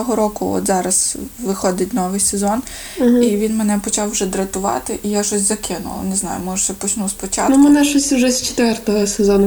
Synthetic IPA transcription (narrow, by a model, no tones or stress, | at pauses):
ɔɦɔɾɔkʊɔ̰t̪zɑɾɐsʋɪxɔd̪ɪt̚ʲnɔʋɪjsezɔn | ɦiʋʲinmenɛpɔt͡ʃɑwʒɛd̪ɾɐt̪ʊʋɑ̰t̪ɪʔijaʃɔsʲzɐkɪnʊ̰ʋ̰ˠneznɑ̰jʊ̰mɔʒʊʃt͡ʃɛpɔt͡ʃnuspɔt͡ʃɑ̰tnʊmɛnɛʃɔsʲtʲʊʒɛsʲt͡ʃe̥t̪ʋɛrt̪ɔɦɔsezɔnʊ